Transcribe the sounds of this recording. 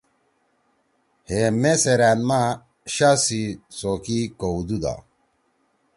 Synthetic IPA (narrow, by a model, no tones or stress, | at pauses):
hemeseɾanma | ɕasisokikoud̪ud̪a̰